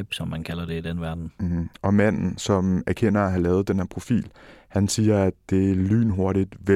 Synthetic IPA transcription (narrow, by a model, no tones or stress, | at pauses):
b̥sɒ̽mːænkʰælɐd̥e̝id̥enʋæɐd̥n̩ʔɒ̽mæn̰n̩sɒ̽mæɐkʰen̰ɐæɦælɛːʊð̞̩ˠd̥enhæɐpʰʁo̝fḭːlhænsiːɐædd̥e̝æly̰ːnɦo̝ɐɾid̥ʋe